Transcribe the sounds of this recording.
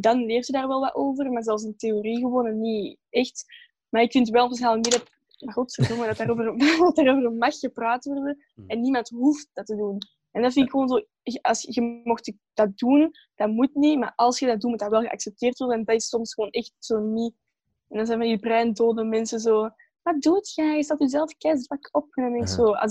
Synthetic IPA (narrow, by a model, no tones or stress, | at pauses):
dɑnleːrtədaːrʋɛlˠʋaʔoːvərmaːrzɛlˠfs̬ənteoriɣəwoːnəni | ɛxt | maːɾɪkfɪntwɛlˠɔpsxaːləknidɑt | makɔpsɛzomədɑtaːɾoːvərɑtaːɾoːvərmɑxxəpraːtʋɔrdə | ɛnːimɑntɦuft̚d̥ɑtədun | ɛndɑtfɪntɪkxəʋoːnzoː | əɑlˠsɣəmɔxt | d̥ɑt̚dun | d̥ɑnmutnima̰ːʔɑlˠsxədɑt̚duːnmutdɑwɛlˠɣəʔa̰ksɛp̚teːrtwɔrdəɛndɑtɪsɔmsxəwoːnɛxtsoːni | ɛndɑnzɛːnvɑndibrɛndoːdəmɛnsəzoː | waduətxaɣəsɑtyzɛlˠfkɛsbakɔpxənəmɪŋksoːɑ̰